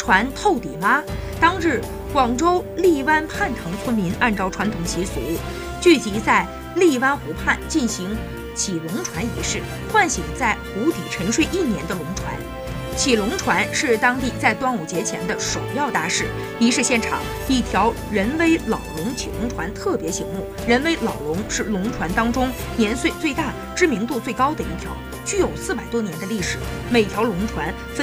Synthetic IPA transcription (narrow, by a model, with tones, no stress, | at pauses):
ʈ͡ʂʰwa˧˥nt̪ʰo˥˩ʊt̪i˨˩ma˥ | t̪ɑ˥ŋɻɻ̩˥˩ | kwɑ˨˩ŋʈ͡ʂo˥ʊli˥˩wa˥npʰa˥˩nt̪ʰɤ˧˥ŋt͡sʰə˥nmi˧˥nʔa˥˧nʈ͡ʂɑ˥˩ʊʈ͡ʂʰwa˧˥nt̪ʰʊ˨˩ŋɕi˧˥sṵ˨˩˥ | t͡ɕy˥˩t͡ɕi˧˥t͡sa˥˧ɪ | li˥˩wa˥nxu˧˥pʰa˥˩nt͡ɕi˥˩nɕi˧˥ŋ | t͡ɕʰi˨˩lʊ˧˥ŋʈ͡ʂʰwa˧˥nḭ˧˥ʂɻ̩˥˩ | xwa˥˩nɕi˨˩ŋt͡sa˥˩ɪxu˧˥t̪i˨˩ʈ͡ʂʰɤ˧˥ŋʂwe˥˧ɪʔi˥˩njɛ˧˥nd̪ə˧lʊ˧˥ŋʈ͡ʂʰwa̰˧˥n | t͡ɕʰi˨˩lʊ˧˥ŋʈ͡ʂʰwa˧˥nʂɻ̩˥˩t̪ɑ˥ŋt̪i˥˧t͡sa˥˩ɪt̪wa˥nu˨˩t͡ɕjɛ˧˥t͡ɕʰjɛ̰˧˥nd̪ə˧ʂo˨˩ʊjɑ˥˧ʊt̪a˥˧ʂɻ̩˥˩ | i˧˥ʂɻ̩˥˧ɕjɛ˥˩nʈ͡ʂʰɑ̰˨˩˦ŋ | i˥˩t̪ʰjɑ˧˥ʊ | ɻə˧˥nwe˥ɪlɑ˨˩ʊlʊ˧˥ŋt͡ɕʰḭ˨˩lʊ˧˥ŋʈ͡ʂʰwa˧˥nt̪ʰɤ˥˩pjɛ˧˥ɕi˧˥ŋmu˥˩ | ɻə˧˥nwe˥ɪlɑ˨˩ʊlʊ˧˥ŋʂɻ̩˥˩lʊ˧˥ŋʈ͡ʂʰwa˧˥nt̪ɑ˥ŋʈ͡ʂʊ˥ŋ | njɛ˧˥nswe˥˧t͡swe˥˧ɪt̪a˥˩ | ʈ͡ʂɻ̩˥mi˧˥ŋt̪u˥˧t͡swe˥˩ɪkɑ˥ʊd̪ə˨i˥˩t̪ʰjɑ˧˥ʊ | t͡ɕy˥˩jo˨˩ʊsɹ̩˥˩pa˨˩ɪt̪wɔ˥njɛ˧˥nd̪ə˧li˥˩ʂɻ̩˨˩˦ | me˨˩ɪt̪ʰjɑ˧˥ʊlʊ˧˥ŋʈ͡ʂʰwa˧˥n | f